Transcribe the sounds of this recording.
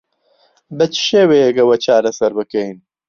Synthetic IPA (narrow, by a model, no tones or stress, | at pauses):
bɐt͡ʃʰɨ̥ʃeːwejɛkɐwɐt͡ʃʰaːɾɐsɐɾbɨkɛjn